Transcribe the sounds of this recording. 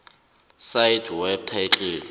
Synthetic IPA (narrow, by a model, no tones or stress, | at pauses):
sajtʰwɛb̚tʰat͡ɬʼeː